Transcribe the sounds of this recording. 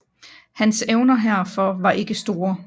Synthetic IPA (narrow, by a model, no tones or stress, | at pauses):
hænseʊnɐɦæɐ̰fɒ̽ʋɑ̈ʔe̝ɡ̥əsd̥o̝ːɐ